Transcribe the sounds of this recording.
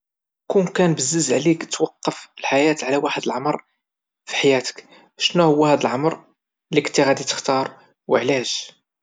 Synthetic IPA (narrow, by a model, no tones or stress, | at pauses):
kunkænbəzːəzʕlikt̪wɑqːəfəlħajæt̪ʕlæwaħəd̪əlʕɑmɾˤ | fi̥ħajæt̪ə̥k | ʃnuhʊwːæhæd̪əlʕɑmɾˤ | liknt̪ːiɣæd̪it̪ə̥xt̪ɑɾˤ | wə̰ʕlæʒ̥